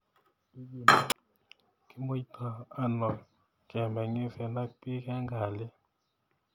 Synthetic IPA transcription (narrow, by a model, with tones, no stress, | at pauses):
ki˦mo˦i˦tʰa˨a˦nɔ˨ | kɛ˨mbɛ˨ŋe˦fɛ˨na˦pi˦ka˦ŋɡa˨lɪ˦